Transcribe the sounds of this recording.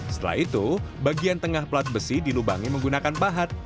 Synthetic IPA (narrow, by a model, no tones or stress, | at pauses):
sə̥t̪əla̰hit̪ubaɡiant̪əŋahplat̪̚bəsidiluba̰ŋiməŋɡunakanpaɦat̪̚